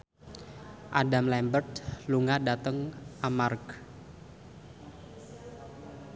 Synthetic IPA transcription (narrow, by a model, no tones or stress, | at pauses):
ʔadamlɛmbərd̪luŋadat̪əŋʔamark